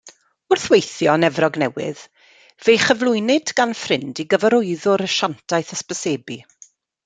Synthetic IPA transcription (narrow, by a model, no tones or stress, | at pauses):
ʊrθwejθjɔnɛvrɔɡnɛwɪ̰ð | vejχəvlˠʊɨnɪdɡ̥anfrɪndiɡəvɛɾʊɨðʊɾəʃantʰajθəspəseːbi